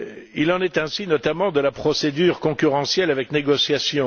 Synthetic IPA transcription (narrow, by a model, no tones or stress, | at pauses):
ilɑ̃nɛt̪ɛ̃sinɔt̪amɑ̃d̪əlapχɔsed̪yːʁkɔ̃kʲyʁɑ̃sjɛlavɛkneɡɔsjasjɔ̃